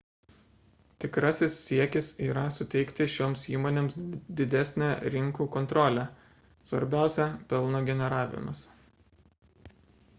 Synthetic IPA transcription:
t̪ʲɪkɾɐsʲɪsːʲiɛkʲɪsiːɾɐsʊt̪ʲɛɪkt̪ʲɪʃʲoːmsiːmoːnʲeːmsd̪ʲɪd̪ʲæsʲnʲæɾʲɪŋkuːkɔnt̪ɾɔlʲæ | sʋɐ̰ɾʲbʲæˑʊsʲæpʲɛlˠnoːɡʲɛnʲɛɾɑːʋʲɪ̰mɐ̰s

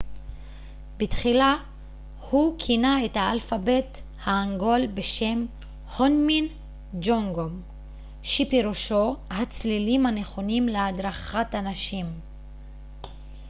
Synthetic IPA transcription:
bitχila | hukʰinaethaalfabe̞t | haːŋɡo̞lbeʃe̞m | honmin | d͡ʒoŋɡom | ʃepiʁuʃo̞hat͡slilimhane̞χo̞nimleadʁaχatanaʃim

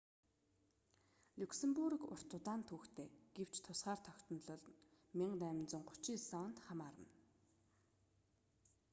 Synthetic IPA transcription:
luksĕmpurkʊ̰r̥t̪ʊt̪aːnt̪ʰuːxt̪ʰeːɡ̥ew̥t͡ɕt̪ʰʊsχaːr̥t̪ʰœkʲt̪ɞ̆nɮɞ̆ɮmiɴnæːmʲɪ̆nt͡sə̆ŋɢʊt͡ɕiːsɔnt̪χamaːɾə̰̆n

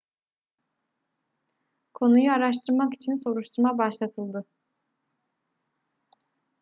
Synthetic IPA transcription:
kʰo̞nujuaɾaʃt̪ʰɯɾmaki̥t͡ʃʰinso̞ɾuʃt̪ʰuɾmabaʃlˠat̪ʰɯlˠd̪ɯ

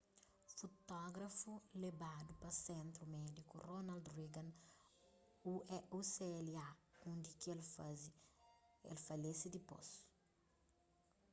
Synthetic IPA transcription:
fot̪ɔɡɾɐfulebad̪upɐsẽnt̪ɾumɛd̪ikuronald̪riɡãn | uɛuseɛliaũnd̪ikielz | ḛlfɐlesid̪ipo̰s

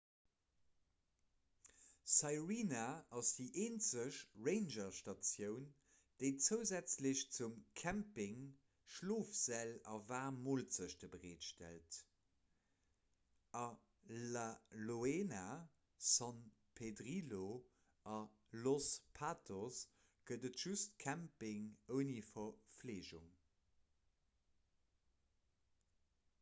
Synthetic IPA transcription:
sɑɪʁiːnaɑsd̥iːʔeːnt͡səʃʁeɪnʒɐʃtɑt͡sjəʊn | d̥eɪt͡səʊzæt͡sləɕt͡sumkʰæmpɪŋ | ʃloːfz̥ælɑvaːmoːlz̥əɕd̥əbəʁeːtʃtæ̰lt | ɑ | laloeːna | sɑn | pʰedʁilo | ɑ | lospʰaːtʰos | ɡ̥ədətʒ̥ustkʰæmpɪŋəʊnifɐfleːʒṵŋ

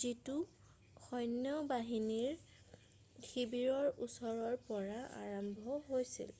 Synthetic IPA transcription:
zitu | xɔjnjɔbaɦiniɹ | kʰibiɹɔɹusɔɹɔɹpɔɹaa̰ɹɔmbʱɔɦojsḭl

